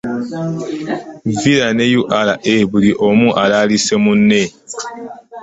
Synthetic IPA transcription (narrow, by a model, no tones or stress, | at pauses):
vilane̞juʔalaʔeβuliʔomuʔalaːlise̞munːe̞